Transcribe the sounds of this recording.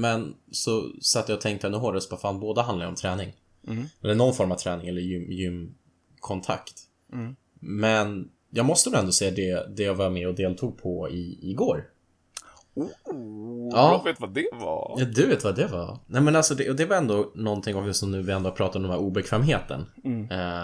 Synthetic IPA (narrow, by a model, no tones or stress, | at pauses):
mɛnsɔsat̪ːəjaɔt̪ʰɛŋkt̪əɛnːəɦoːɖəsvafaːnboːd̪aɦand̪laɾəɔmt̪ʰɾɛːnɪŋ | ɛlːəɳɔnfɔɾmav̥t̪ʰɾɛːnɪŋɛlːəɾjʏmjʏmː | kʰɔnt̪ʰa̰kt̪ | mɛn | jɑːɡmɔst̪ənʊɛnd̪oːseːad̪ɛd̪ɛjɑːvaɾmɛɔd̪eːlt̪ʰuːɡ̚pʰɔɪɪɡoːɾ | u | ɑːvet̪vad̪ɛvɑ̰jɑd̪ɵveːt̪vad̪ɛvɑnɛmɛnalsɔd̪ɛʔɔd̪ɛvaɾɛnd̪onɔnt̪ʰɪŋːɔmvɪsɔmnʉ̟ːvɪɛnd̪opʰɾɑːt̪atɔmɛmhæːɾuːbɛkʰvɛːmɦeːt̪ə̰n